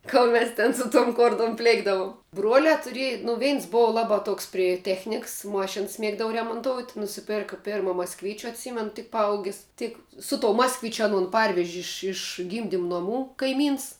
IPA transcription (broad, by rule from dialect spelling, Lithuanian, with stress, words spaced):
ˈkoːlˠ mʲɛs ˈtʲɛn sʊ toːm ˈkoːrtoːm ˈpʲlʲeːɡdɐʋʊm ˈbruɔlʲæː tʊˈrʲiɛj nʊ ˈʋʲɛɪns ˈboːʋɐ ˈlˠɑːbɑː ˈtoːks pʲrʲɪ ˈtʲæːxʲnʲɪks ˈmoːʃʲɪns ˈmʲiɛɡdɐʋɐ rʲɛmoːnˈtoːʊt nʊsʲɪˈpʲeːrkɐ ˈpʲeːrmɐ mɐskˈʋʲiːt͡ʃʲʊ ɐtʲˈsʲiːmʲɛn tʲɪk pɐˈɐʊɡʲɪs ˈtʲɪk sʊ toːʊ ˈmɑːskʋʲɪt͡ʃʲʊ ɐˈnoːn ˈpɐrʲʋʲɛʒʲɪ ˈɪʃ ɪʃ ˈɡʲiːmʲdʲɪm noːˈmuː kɐɪˈmʲiːns